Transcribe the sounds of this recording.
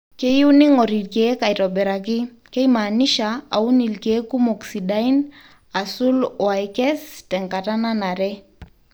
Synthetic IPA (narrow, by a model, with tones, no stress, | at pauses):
ke˦ju˦ni˦ŋɔ˨ɾi˨tke˨˦ka˨i˨ɾɔ˨bɛ˨ɾa˨k̬ɪ˦ | kɛ˦ima˨ni˦ʃa˨a˨u˦ni˨lke˨˦ku˦mo˨ksi˨da˦i˦n | a˨su˦lwa˨ikɛ˦stɛ˨ŋka˨ta˦na˦na˨ɾɛ˦